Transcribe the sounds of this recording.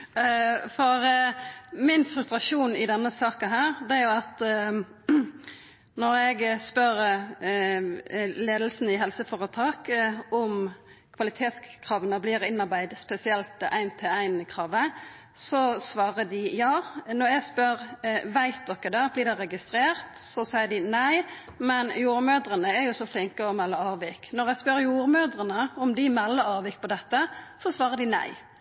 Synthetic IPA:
fɔɾ | mɪnfɾʉst̪ɾɑʂuːnɪd̪ɛnːəsɑːkənɦæːɾd̪ɛæɾjʊɑt̪ | nɔɾɛɡspœɾ | leːd̪əl̩sn̩ɪɦɛlsəfɔːʁət̪ʰɑːkɔm | kʰʋɑlɪt̪ʰeːt̪skʰʁɑːʋənəblɪːɾɪnɑʁbæɪd̪spɛsɪɛlt̪ʔæɪnt̪ʰɪæɪnkʰɾɑːʋə | sɔsʋɑːʁəd̪ɪjɑːnɔʁjæɪspœɾʋæɪt̪̚d̪ɔkːəd̪ɛblɪːd̪ɛʁɛɡɪst̪ɾeːʁt̪sɔsæɪəɖ̪ɪnæɪ | mɛnjuːɾmøːd̪ʁənəæɾjʊsɔflɪŋkəɔmɛlːəɑːʋɪknɔʁjæspœʁjuːɾmøːd̪ʁənəɔmd̪ɪmɛlːəɑːʋɪk̚pʰɔd̪ɛt̪ːəsɔsʋɑːʁəd̪ɪnæ̰ɪ

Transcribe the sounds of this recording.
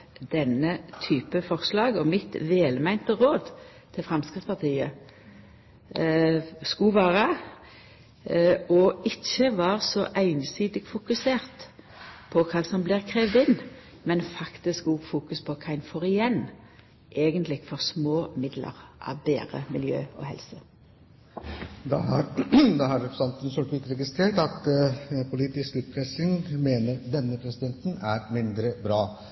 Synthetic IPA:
d̪ɛnət̪ʰyːpəfɔʁslɑːɡɔmɪt̪ʋeːlmæɪnt̪əʁoːd̪ | t̪ʰɪlfʁɛmskʁɪft̪spɑʁt̪ʰiːə | skʉʋæːʁə | ɔɪçːəʋɑːʁsɔʔæɪnsiːd̪ɪɡfʊkʉseːʁt̪ | pʰɔkʰɑːsɔmblɪʁkʰʁeːʋd̪ɪn | mɛnfɑkt̪ɪskuɡfuːkʉspʰɔkʰɑɪnfoːʁɪjɛn | ʔeːɡənt̪lɪɡfɔʁsmoːmɪd̪lə̰ʁʔɑ̰ʋbḛːɾə̰mɪljø̰ːɔ̰hɛ̰lsə | d̪ɑ̰hɑɾd̪ɑhɑɾɛpɾsɑnt̪ənsɔʈ̪ʋɪt̪ɾɛɡɪst̪ɾeːʈɑt̪pʰʊliːt̪ɪskʉːt̪̚pʰɾɛsɪŋmeːnəɾd̪ɛnːəpʰɾɛsɪd̪ɛnt̪næɾmɪnd̪ɾəbɾɑː

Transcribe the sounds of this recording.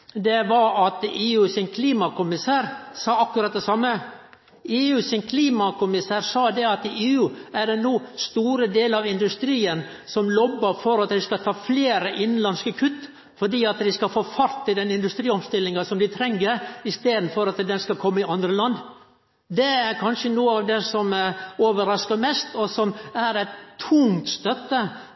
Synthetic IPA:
d̪ɛʋɑɾɑt̪eːʉːsɪŋkʰliːmɑkʊmɪsæːɾsɑːɑkːʉɾɑt̪̚d̪ɛsɑmːə | eːʉːsɪŋkʰliːmɑkʰʊmɪsæːɾsɑːd̪ɛɑt̪ɪʔeːʉːæɖɛnuːst̪uːɾəd̪eːlɑʋɪnd̪ʉst̪ɾiːən | sɔmlɔbːəɾfɔɾɑt̪d̪ɪskɑt̪ʰɑːfleːɾəʔɪnːnlɑnskəkʰʉt̪ː | fɔɖiːɑt̪d̪ɪskɑfoːfɑɾt̪ʰːɪld̪ɛnɪnd̪ʉst̪ɾiːɔmst̪ɪlːɪŋɑsɔmd̪ɪt̪ʰɾɛŋːəɾɪst̪eːd̪n̩fɔɾɑt̪d̪ɛnskɑkʰɔmːəɪɑnd̪ɾəlɑnd̪ː | d̪ɛæɾkʰɑnʂənuːəɑʋd̪ɛsɔmoːʋəɾɑskɑmɛst̪ɔsɔmæɾɛt̪ʰːʊŋt̪st̪œt̪ːə

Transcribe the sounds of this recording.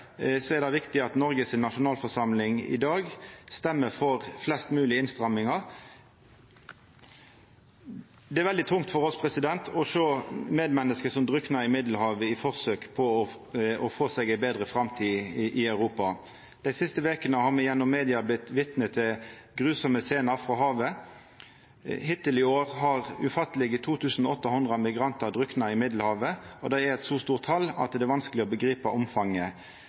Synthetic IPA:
sɔɛʁd̪ɑɪʋɪkt̪ɪɑt̪nɔɾɡəsɪnːɑʂʊnɑːlfɔʁʂɑmlɪŋɪ̰d̪ɑːɡst̪ɛmːəfɔʁflɛst̪mʉːlɪəɪnst̪ʁɑmːɪŋɑʁ | d̪ɛæɾʋɛld̪ɪt̪ʰʊŋt̪fɔʁɔspʰʁɛsɪd̪ɛnt̪ʰɔʂoːmeːd̪mɛnːəskəsɔmd̪ʁʉknɑɪmɪd̪l̩hɑːʋəɪfɔʁsøːkpʰɔɔ | ɔfoːsɛɡæɪbeːd̪ʁəfɾɑmt̪ʰiːʔɪɑʉʁuːpɑ | d̪̥æɪsɪst̪əʋeːkənəhɑʁmɛjɛnːɔmːeːd̪ɪɑblɪt̪ʋɪt̪nət̪ʰɛ | ɡʁʉːsɔməseːnɑfʁɔɦɑːʋə | hɪt̪ɪlɪoːʁɦɑʁʉ̰fɑt̪ːəlɪɡət̪ʰuːt̪ʰʉːsn̩ɔɔt̪ːəhʊnd̪ʁɑmɪɡʁɑnt̪ɑʁd̪ʁʏknɑɪmɪd̪l̩hɑːʋəɔd̪æɪæɾɛt̪suːst̪uːʁt̪ʰɑlːɑ̰t̪̚d̪ɛɛʋɑnskəlɪɔbəɡʁiːpɑʔɔmfɑŋːə

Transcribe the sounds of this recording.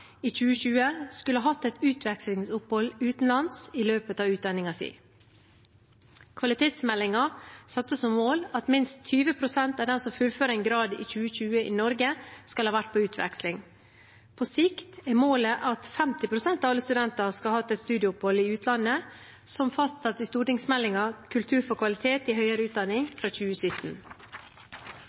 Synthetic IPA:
iːc͡çʉːəçʉːəskʉləhɑːhɑt̪ːɛt̪ʉːt̪ʰʋɛkslɪŋsʊphɔlʉːt̪n̩lɑnsiløːpət̪ɑːʋʉːt̪̚d̪ɑnɪŋɑsḭː | kʰʋɑlɪt̪ʰeːt̪smɛlːɪŋɑsɑt̪ːəsɔmːoːlɑt̪mɪnst̪ʰːyːʋəpʰɾʊsɛnt̪ɑʋd̪ɛnsɔmfʉlføːɾəɛnɡɾɑːd̪ḭːçʉːəçʉːəʔḭːnɔɾɡəskɑlhɑːʋæʈ̚ːpʰoːʉːt̪ʰʋɛ̰kslɪŋ | pʰoːsɪkt̪æmoːləʔɑt̪fɛmt̪ɪpʰɾʊsɛnt̪ɑʋɑlːəst̪ʉd̪ɛnt̪ɑskɑhɑːt̪ːɛst̪ʉːd̪ɪʊpɔliːʉːt̪ʰlɑnə | sɔmfɑst̪sɑt̪ːɪst̪uːʈɪŋsmɛlːɪŋɑkʰʉlt̪ʰʉːɾfɔɾkʰʋɑlɪt̪ʰeːt̪ihœʏəɾəʉːt̪̚d̪ɑnɪŋfɾɑːc͡çʉːəsʏt̪n̩

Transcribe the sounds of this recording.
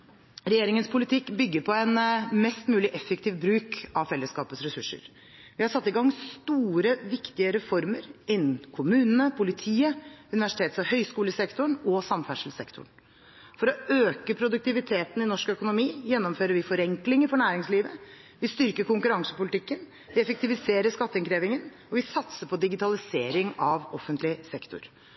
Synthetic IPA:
ɾɛjeːɾɪŋənspʰʊlɪt̪ʰɪkːbʏɡːəɾpʰɔɛnmɛst̪mʉːlɪʔɛfːəkt̪ʰiːʋbɾʉːkɑʋfɛlːəskɑːpəsɾɛsʉʂːə̰ɾ | ʋɪhɑɾʂɑt̪ːɪɡɑŋːst̪uːɾəʋɪkt̪ɪəɾɛfɔɾməɾɪnːn̩kʰʊmʉːnənəpʰʊlɪt̪ʰiːəʉnɪʋæʂɪ̥t̪eːt̪sɑhœʏskuːləsɛkt̪ʊɳɔsɑmfæʂl̩sɛkt̪ʰʊ̰ɳ | fɔɾɔøːkəpʰɾʊd̪ʉk̚t̪ɪʋɪt̪ʰeːt̪n̩ɪnɔʂkœkʊnʊmiːjɛnːɔmføːɾəɾʋɪfɔɾɛŋklɪŋəfɔɳæːɾɪŋsliːʋə | ʋɪst̪ʏɾkəkʊŋkʉɾɑŋsə̥pʊlɪt̪ʰɪkːən | ʋɪɛfək̚t̪ɪʋɪseːɾəʂkɑt̪ːəɪŋkʰɾeːʋɪŋən | ɔʋɪsɑt̪səpʰɔd̪ɪɡɪt̪ʰɑlɪseːɾɪŋɑʋɔfːənt̪lɪsɛkt̪ʰʊ̰ɾ

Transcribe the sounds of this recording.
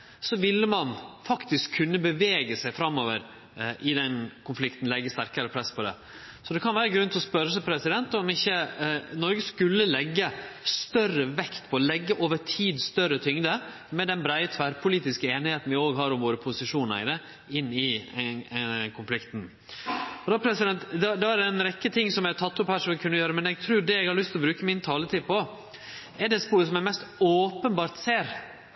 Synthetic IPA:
sɔʋɪlːəmɑnfɑkt̪ɪskʰːʉnːəbəʋeːɡəsæɪfɾɑmːoːʋəɾ | ʔɪd̪ɛnkʰʊnflɪkt̪n̩lɛɡːəst̪æɾkəɾəpʰɾɛspʰɔd̪ɛ̰ | sɔd̪ɛkʰɑnʋæːɾəɡɾʉnt̪ʰɔspœɾəsæɪpʰɾɛsɪd̪ɛnt̪ɔmɪçːənɔɾɡəskʉlːəlɛɡːəst̪œrəʋɛkt̪pʰɔlɛɡːəʔoːʋəʈʰiːd̪st̪œɾət̪ʰʏŋd̪ə | mɛd̪ɛnbɾæɪət̪ʰʋæɾpʰʊliːt̪ɪskəeːnɪheːt̪n̩ʋɪoːɡɦɑɾʊmʋoːɾəpʰʊsɪʂuːnɑ̰d̪ə | ɪnːɪ | kʰʊnflɪkt̪n | ɔd̪ɑpʰɾɛsɪd̪ɛnt̪d̪ɛd̪ɑæɾɛnɾɛkːət̪ʰɪŋːsɔmjæt̪ʰɑt̪ːʊphæːɾʂɔmʋɪkʰʉnːəjøːɾəmɛnɛɡ̚t̪ʰɾʉːɖɛɛɡhɑɾɭʏst̪lɔbɾʉːkəmɪnt̪ʰɑːlət̪ʰiːd̪̚pʰɔ | ɛɖɛt̪spuːɾs̬ɔmɛmɛst̪oːpənbɑːɾt̪seːɾ

